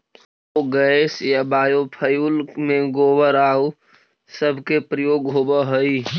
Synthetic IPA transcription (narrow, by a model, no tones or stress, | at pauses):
oɡəesjabaːjopʰəjulmẽɡoːbəɾaːu | səbʱkepɾəjoːɡɦobəɦəi